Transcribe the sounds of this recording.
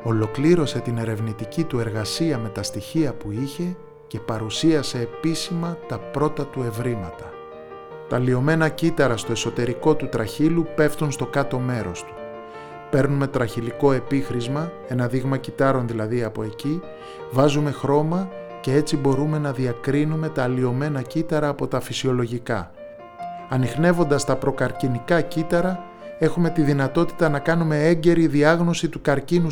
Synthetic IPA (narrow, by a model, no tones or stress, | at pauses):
o̞lo̞kliɾo̞se̞t̪ine̞ɾe̞vnit̪icit̪ue̞ɾɣɐsiɐme̞t̪ɐst̪içiɐpuiçe̞ | ce̞pɐɾusiɐse̞ːpisimɐt̪ɐpɾo̞t̪ɐt̪ue̞vɾimɐt̪ɐ | t̪ɐlio̞me̞nɐcit̪ɐɾɐst̪o̞e̞so̞t̪e̞ɾiko̞t̪ut̪ɾɐçilupe̞ft̪unst̪o̞kɐt̪o̞me̞ɾo̞st̪u̥ | pe̞ɾnume̞t̪ɾɐçiliko̞e̞pixɾizmɐ | e̞nɐðiɣmɐcit̪ɐɾo̞nðilɐðiɐpo̞̰e̞ci | vɐzume̞xɾo̞mɐ | ce̞et͡sibo̞ɾume̞nɐðiɐkɾinume̞t̪ɐːlio̞me̞nɐcit̪ɐɾɐːpo̞t̪ɐfisio̞lo̞ʝikɐ̰ | ɐnixne̞vo̞nd̪ɐst̪ɐpɾo̞kɐɾcinikɐcit̪ɐɾɐ | e̞xume̞t̪iðinɐt̪o̞t̪i̥t̪ɐnɐkɐnume̞e̞ɲɟe̞ɾiðiɐɣno̞sit̪ukɐɾcinu